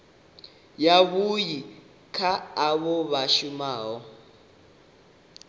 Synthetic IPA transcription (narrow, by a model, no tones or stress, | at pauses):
jaβuji | kʰaːβɔβaʃumaːɦɔ